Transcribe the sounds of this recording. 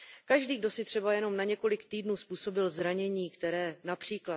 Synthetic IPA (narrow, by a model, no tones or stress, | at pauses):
kaʒdiːɡ̚do̞sɪt̪r̥ɛbajɛno̞mnaɲɛko̞lɪkt̪iːdnuːspuːso̞bɪlzɾaɲɛɲiːkt̪ɛɾɛːnapr̝̥iːkla